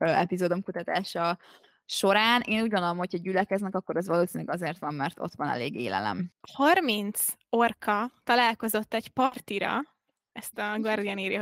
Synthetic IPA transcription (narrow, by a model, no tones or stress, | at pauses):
ɛpizoːd̪o̞mkut̪ɒt̪aːʃɒ | ʃo̞ɾaːnʔeːnuːɟɡonolomho̞chɒɟylɛkɛznɛkɒkːo̞ɾɛzʋɒloːsinlɛɡɒzeːrt̪ʋɒmːɛrt̪o̞̰t̪ʋɒnɛ̰lḛːɡḛːlɛ̰lɛ̰mhɒrmint̪s | orkʰɒt̪ɒlaːlko̞zo̞t̪ːɛcpɒrt̪iɾɒ̰ | ɛst̪ɒɡɒrd̪ijɒniːɾji